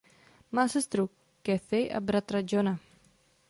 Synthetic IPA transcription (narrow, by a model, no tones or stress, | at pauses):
masəst̪ɾukː | eθejʔa̰bɾat̪ɾad͡ʒona